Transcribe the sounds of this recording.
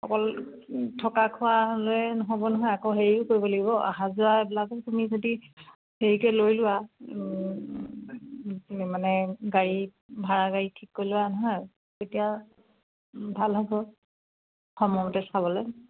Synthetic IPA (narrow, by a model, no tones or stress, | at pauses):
xɔkɔl | tʰɔkakʰʊwaloɛnɔɦɔbɔnɔɦɔjakoɦeɹiʊkoɹibɔlaɡibɔʔa̰ɦãzʊaɛbilakɔkumizodi | heɹikɛlojlʊwa | manɛɡaɹi | bʱaɹaɡaɹitʰikːojlʊanɔɦɔj | tetija | bʱalɦɔbɔ | xɔmɔmɔtɛsaβɔlɔj